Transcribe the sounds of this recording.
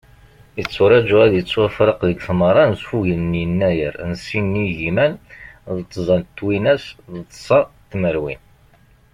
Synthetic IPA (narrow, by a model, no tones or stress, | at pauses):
ət͡sːʊɾˤɑd͡ʒuæðjət͡sːwæfɾˤəqðəɡθməɾˤɑnsfuʝəlnjənːæjəɾnsinːiʝimænðət̪ˤːzˤɑnt̪ːwinæsðət̪ˤːsˤɑt̪ːməɾwin